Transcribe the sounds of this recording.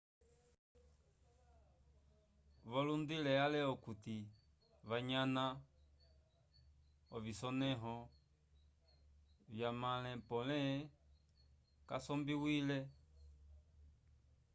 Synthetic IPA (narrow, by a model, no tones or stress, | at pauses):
βɔlundilɛalɛɔkut̪i | βaɲana | ɔvisɔnɛɦɔ | vjamalɛ̃pɔlɛ | kasɔmbiwilɛ